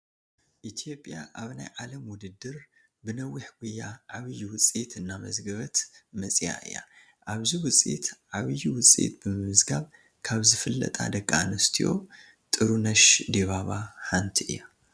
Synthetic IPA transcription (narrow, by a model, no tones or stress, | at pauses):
ʔit̪ʰijo̞pʼjaʔaβnajʕalɐmwʊd̪ɨd̪ɨɾ | bɨnɐwːiħɡ̥ujːaʕaβɨjuwʊt͡sʼit̪ɨnːamɐ̰zɡɐβɐt̪mɐt͡sʼija̰ʔɨ̰jːa̰ | ʔaβziwʊt͡sʼḭt̪ʕaβjiwʊt͡sʼḭt̪̚bɨmɨmɨzɡaβ | kʰaβzɨfɨlːɐ̰t̪ʼʰa̰d̪ɐɡʼːaanɨst̪ʰijo̞̰ | t̪ʼɨɾunɐʃd̪eβaβaħant̪ʰiʔɨ̰jːa